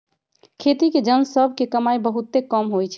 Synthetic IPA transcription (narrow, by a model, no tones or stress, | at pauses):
kʰet̪iked͡ʒənsəbʱkekəmajbəɦut̪ːekəmɦojt͡ʃʰɛ